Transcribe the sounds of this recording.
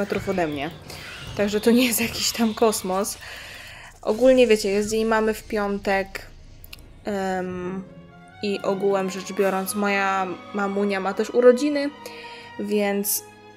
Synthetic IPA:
ɛt̪ɾufɔd̪ɛmɲɛ | t̪aɡʐɛt̪ɔɲɛjɛst̪jakʲiɕt̪amkɔsmɔs | ʔɔ̰ɡulɲɛvʲjet͡ɕɛjɛs̬t̪jejmamɘfpʲjɔnt̪ɛk | iʔɔɡuwɛmʐɛt͡ʂbʲjɔɾɔnt̪smɔjamamuɲamat̪ɛʂuɾɔd͡ʑinɘ | vʲjɛnt̪s

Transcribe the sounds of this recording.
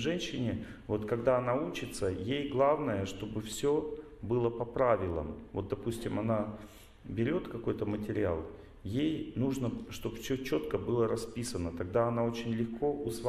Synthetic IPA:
ʐɛnɕːɪnʲɪvo̞t̪kɐɡd̪aɐnaut͡ɕɪt̪səjejɡlˠavnəjəʂt̪o̞bɨfsʲo̞ | bɨlˠəpɐpɾavʲɪlˠə̰mvo̞t̪̚d̪ɐpusʲtʲɪmɐna | bʲɪɾʲo̞t̪kɐko̞jt̪əmətʲɪɾʲɪa̰lˠ | jejnuʐnəʂt̪o̞pfsʲɵt͡ɕo̞t̪kəbɨlˠəɾɐspʲisənət̪ɐɡ̚d̪aɐnao̞t͡ɕɪnʲlʲɪxko̞ʔʊsv

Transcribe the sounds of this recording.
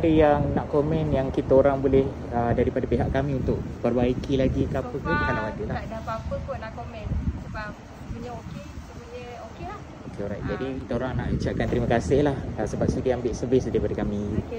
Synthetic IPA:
aɾijaŋnaʔkomɛ̃njaŋkit̪aoɾaŋbolɛh | ədaɾipadapeɦaʔkamiunt̪ʊʔpərbaikilaɡikapəpunkalalaɡuladapapəpʊnlaʔkomɛnsəbap̚ | məɲəokesəməɲə | okea | okeɔɾajt̪̚d͡ʒadikit̪aoɾaŋna̰ʔit͡ʃaʔ̚kant̪əɾiməkasɪhlahasəbap̚sidiambɪʔsəbɪsdaɾipadakami

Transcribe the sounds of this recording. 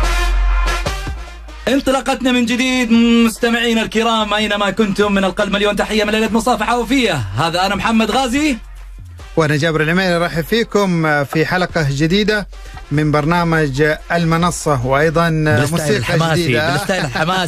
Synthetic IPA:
ʔɪnt̪ˤɨlɑːqɑt̪namɪnd͡ʒɪd̪iːd̪mʊst̪amɪʕiːnalkɪɾɑːmʔajnamakʊnt̪ʊmːɪnalqɑlmaljoːmt̪aħɪjːamɪnlejlat̪mʊsˤɑːfaħawafɪjːahaːðaʔanamħamːad̪ɣaːzi | wʔanad͡ʒaːbɪɾɪlʕɪmeːlɾˤɑːħɪfiːkʊmfiħalaqɑd͡ʒɪd̪iːd̪a | mɪnbɑɾˤnaːmad͡ʒɪlmɪnɑsˤːɑwʔɑjðˤɑnmuːsiːqɑd͡ʒaɪdiːd̪at̪ama

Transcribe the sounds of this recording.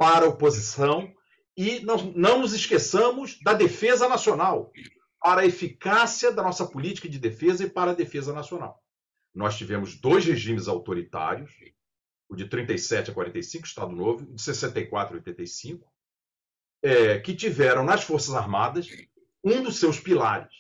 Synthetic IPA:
paɾɐopozisɐ̃w̃ | ɪnɔnɐ̃w̃nʊzɪʃkesɐ̃mʊzd̪ɐd̪efezɐnasionaw | paɾɐefikasiɐd̪ɐnɔsɐpʊlit͡ʃi̥kɐd͡ʒɪd̪efezɐɪpaɾɐd̪efezɐnasiona̰w | nɔst͡ʃivẽmʊzd̪ojzheʒĩmɪzawt̪oɾit̪a̰ɾjʊs | d͡ʒɪt̪ɾĩnt̪ejsɛt͡ʃɪɐkwaɾẽt̪ejsĩkʊɪ̥iʃt̪a̰d̪ʊnovʊd͡ʒɪsesẽnt̪ejkwa̰t̪ɾio̰jt̪ẽt̪ɐjsĩkʊ̥ | ɛkɪt͡ʃivɛɾɐ̃w̃nɐsfoɾsɐzaɾmad̪ɐs | ũd̪ʊsewspila̰ɾɪs

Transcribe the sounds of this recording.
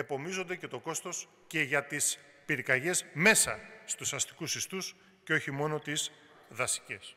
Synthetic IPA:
e̞po̞mizo̞nd̪e̞ce̞t̪o̞ko̞st̪o̞s | ce̞ʝɐt̪is | piɾikɐʝe̞zme̞sɐst̪usɐst̪i̥kusist̪us | ceo̞çimo̞no̞t̪iz | ðɐsi̥ce̞s

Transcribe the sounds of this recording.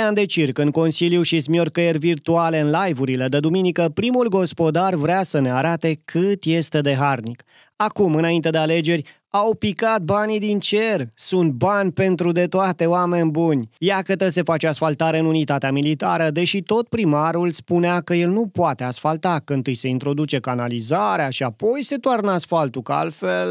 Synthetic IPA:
eand̪e̞t͡ʃirkɨnko̞nsiljuʃismiorkəjervirt̪uale̞ɨnlajvuɾile̞d̪ed̪uminikəpɾimulɡo̞spo̞d̪arvɾasəne̞aɾat̪e̞kʰɨt̪je̞st̪e̞d̪e̞ɦarnik | akumɨnaint̪e̞d̪eale̞d͡ʒe̞ɾʲ | awpikat̪̚banid̪int͡ʃe̞rsunt̪̚banʲpe̞nt̪ɾud̪e̞t̪oat̪e̞oame̞nʲbunʲjakət̪əse̞fat͡ʃeasfalt̪aɾe̞ɨnunit̪at̪eamilit̪aɾəd̪e̞ʃit̪o̞t̪̚pɾimaɾulspuneakəje̞lnupoat̪e̞asfalt̪akɨnt̪ɨjse̞int̪ɾo̞d̪ut͡ʃe̞kanalizaɾeaʃiapo̞jse̞t̪oarnasfalt̪ukəa̰lfe̞l

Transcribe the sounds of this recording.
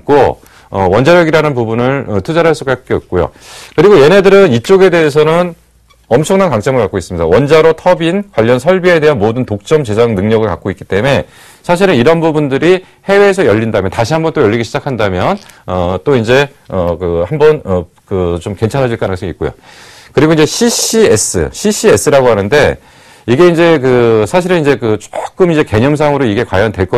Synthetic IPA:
k͈o | ʌwʌnd͡ʑaɾjʌɡiɾanɯnpubunɯɭʌtʰud͡ʑaɾɦaɭs͈uɡ͈ak͈eʌp̚k͈ojo̰kɯɾiɡoje̞ne̞dɯɾɯnit͡ɕ͈oɡe̞de̞ɦesʰʌnɯn | ʌmt͡ɕʰʌŋnankaŋt͡ɕ͈ʌŋɯɭkak͈ois͈ɯmɲida̰wʌnd͡ʑaɾotʰʌbinkwaʎːʌnsʰʌɭbie̞de̞ɦanmodɯntok̚t͡ɕ͈ʌmt͡ɕe̞d͡ʑaŋnɯŋɲʌɡɯɭka̰k͈oitk͈i̥t͈e̞me̞ | sʰaɕ̬ʰiɾɯniɾʌnbubundɯɾi | he̞we̞ːsʰʌjʌʎːindamjʌntaɕʰiɦambʌnt͈ojʌʎːiɡiɕʰid͡ʑakʰandamjʌnʌt͈oind͡ʑe̞ | ʌkɯhambʌnʌ | kɯt͡ɕomke̞nt͡ɕʰanɦad͡ʑiɭk͈anɦɯŋs͈ʰʌŋik͈̚ojo̰ | kɯɾiɡoind͡ʑe̞ɕʰiɕies͈ɯ̰ɕʰiɕ͈ʰie̞s͈ʰɯɾaɡoɦanɯnde̞ | iɡe̞ind͡ʑe̞kɯsʰaɕʰiɾɯnind͡ʑe̞kɯt͡ɕ͈o̥k͈ɯmind͡ʑe̞ke̞ɲʌms̬ʰaŋɯɾoiɡe̞kwajʌndwe̞ɭk͈ʌ

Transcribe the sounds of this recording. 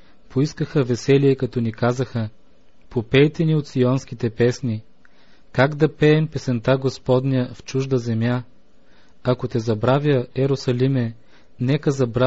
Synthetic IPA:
poiskəxəvɛsɛliɛkɐt̪ɔnikazəxə | popɛjt̪ɛniot̪siɔnsk̟ʲit̪ɛpɛsni | kaɡd̪ɐpɛːmpɛsɛnt̪aɡospɔd̪nijəft͡ʃuʒd̪əzɛmja | ɐkot̪ɛzɐbɾavʲjəɛɾosɐlimɛ | nɛkəzɐbɾa

